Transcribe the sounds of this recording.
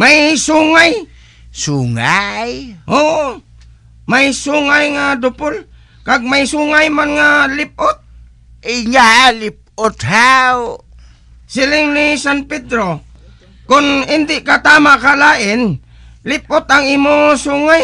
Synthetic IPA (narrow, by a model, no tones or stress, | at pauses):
majsuŋaj | suŋajo | majsuŋajŋad̪ʊpʊl | kaɡ̚majsuŋajmanŋalɪp̚ʔʊt̪̚ | ɪɲalɪp̚ʊt̪haw | sɪlɪŋnisanpɛd̪ɾo | kʊnɪnd̪ɪʔkat̪aːmaʔkalaːʔɪn | lɪp̚ʊt̪aŋiːmosuŋaj